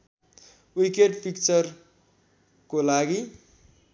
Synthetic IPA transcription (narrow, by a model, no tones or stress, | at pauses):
wikeʈpʰikt͡sʌr | kolaɡi